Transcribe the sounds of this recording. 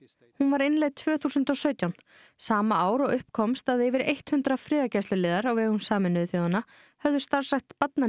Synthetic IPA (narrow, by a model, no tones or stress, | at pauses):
hunvaɾɪnlejt̪ʰv̥œːθuːsʏnt̪ɔsœːɥt̪jawn | saːmaaːwɾɔɣʏhpkʰɔmst̪aðɛvɪɾejht̪hʏnt̪ɾafɾɪːðacajst̪ʏlɪːðaɾawvɛːɣunsaːmɪnːʏθjowðanːa | hœvðʏst̪aɾ̥saht̪pat̪na